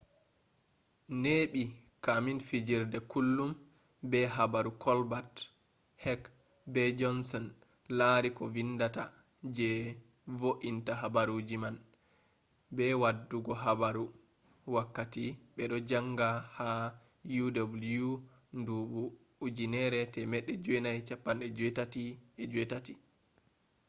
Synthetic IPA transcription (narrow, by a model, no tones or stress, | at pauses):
neːɓi | kaminfid͡ʒiɾdɛkulːum | bɛɦabaɾukʰɔlbat | hɛk | bɛd͡ʒɔnsɔn | laɾikɔvindata | d͡ʒɛ | voʔintaɦabaɾud͡ʒiman | bɛwadːuɡɔɦabaɾu | wakːatiɓɛɗɔd͡ʒaŋɡaha | judabulju | nduɓu | ud͡ʒinɛɾɛtɛmɛɗːɛd͡ʒɔɛnajt͡ʃapːanɛd͡ʒɛtatiɛd͡ʒuɛtati